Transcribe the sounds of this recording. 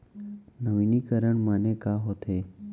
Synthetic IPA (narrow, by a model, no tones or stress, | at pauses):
nəʋinikəɾəɳmənekaɦot̪ʰe